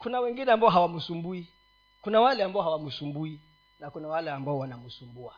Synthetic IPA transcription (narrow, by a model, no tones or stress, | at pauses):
kunawɛŋɡinɛambaɔɦawamusumbui | kunawalɛambaɔɦawamusumbui | nakunawalɛambaɔwanamusumbua